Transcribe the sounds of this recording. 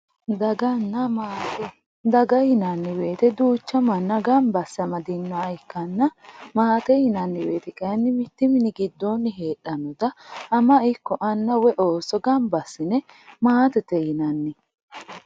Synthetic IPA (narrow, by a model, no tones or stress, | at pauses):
d̪ɐɡɐnːɐmaːɛ | d̪ɐɡɐjɪnɐnːɪwe̞ːt̪ɛd̪uːt͡ʃːɐmɐnːɐɡɐmbɐsːɐmɐd̪ɪnːɔɐɪkːɐnːɐmaːt̪ɛhɪnɐnːɪwe̞̰ːt̪ɛkʼɐjɐnːɪmɪt̪ːɪmɪnɪɡɪd̪ːoːnːɪɦe̞ːɗːɐnɔd̪ɐhɐmɐɪkːɔʔɐnːɐwɛʔo̞ːsɔɡɐmbɐsːɪnɛ | maːt̪ɛt̪ɛjɪnɐnːɪ